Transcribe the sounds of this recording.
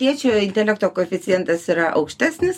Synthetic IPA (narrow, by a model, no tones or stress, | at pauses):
t̪ʲiɛt͡ʃʲuɪnʲt̪ʲɛlʲɛk̚t̪oːkoːɛfʲɪt̪sʲɪjɛnt̪ɐsiɾɐʔɐ̰ʊkʃʲt̪ʲæːsʲnʲɪs